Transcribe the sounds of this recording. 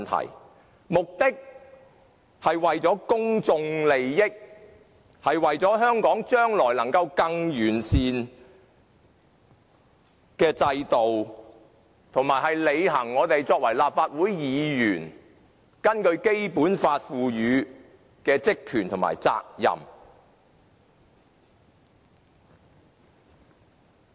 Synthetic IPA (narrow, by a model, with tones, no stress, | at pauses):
nt̪ʰɐ̰˨˩j | mʊ˨k̚t̪ɪ˥k̚ | hɐ˨jwɐ˨jt͡sɔː˨˥kʊ˥ŋt͡sʊ˧ŋle˨jːɪ˥k̚ | hɐ˨jwɐ˨jt͡sɔː˨˥ɦœː˥ŋkɔː˨˥ŋt͡ʃœː˥ŋlɔː˨˩jlɐ˨˩ŋkɐ˧wkɐ˧ŋjyː˨˩nsiː˧n | kɛː˧t͡sɐ˧jt̪o˨w | t̪ʰo˨˩ŋmaː˨˩jɦɐ˨jle˨˧jɦɐ˨˩ŋːɔː˨˧t̪e˨jt͡sɔː˧k̚wɐ˨˩jlaː˨p̚faː˧t̚wuː˨˥jjiː˨˧jyː˨˩n | kɐ˥nkɵ˧ɥke˥jpuː˨˥nfaː˧t̚fuː˨˧jyː˨˧ | kɛː˧t͡sɪ˥kʰːyː˨˩nt̪ʰʊ˨˩ŋma̰ː˨˩jt͡sa̰ː˧k̚jɐ̰˨m